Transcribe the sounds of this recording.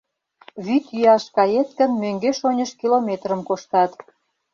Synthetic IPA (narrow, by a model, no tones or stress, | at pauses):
βyt̪jyɑʃkɑjet̪kə̆nmøŋɡeʃonʲəʃkilomʲet̪rə̆mkoʃt̪ɑt̪